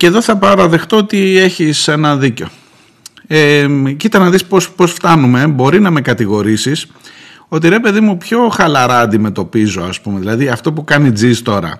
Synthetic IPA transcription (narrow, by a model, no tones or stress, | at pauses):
ce̞ðo̞θɐpɐɾɐðe̞xt̪oot̪ie̞çise̞nɐðiceo̞ | ecit̪ɐnɐðispospo̞sft̪ɐnume̞bo̞ɾinɐme̞kɐt̪iɣo̞ɾisis | o̞t̪̬iɾe̞pe̞ðimupço̞xɐlɐɾɐːnd̪ime̞t̪o̞pizo̞ɐspumeðilɐðiɐft̪o̞pukɐnid͡zist̪o̞ɾɐ̰